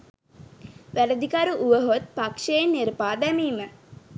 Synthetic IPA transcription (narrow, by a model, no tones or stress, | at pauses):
ʋæləd̪ikaɾuʔuʋəɦot̪̚pakʂeenːiɾpaːd̪æmiːmə